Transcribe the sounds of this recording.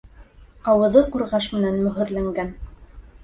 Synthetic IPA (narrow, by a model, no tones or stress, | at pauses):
ɑwɤ̆ðɤquɾʁɑʃmɘ̆nænmɵ̆ɦɘ̆ɾlæŋɡæn